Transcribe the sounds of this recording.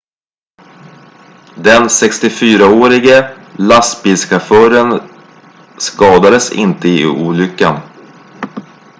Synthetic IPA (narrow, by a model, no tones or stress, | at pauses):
d̪ɛnsɛkst̪ɪfyːɾaoːɾɪɡə | last̪biːlskʰafœːɾən | skɑːd̪ad̪əsɪ̰nt̪əɪuːlʏkːan